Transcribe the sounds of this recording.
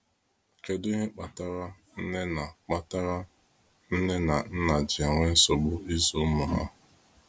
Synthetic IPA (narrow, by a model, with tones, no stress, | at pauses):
ke˦di˦ɦe˦k͡pa˨ta˦ɾa˦ | n̩˦ne˦na˨k͡pa˦ta˦ɾa˦ | n̩˦ne˦na˨n̩˦na˨d͡ʒɪ˨a˨ŋʷe˦n̩˦so˨bʊ˦i˦zo˦mʊ˨ɦa̰˦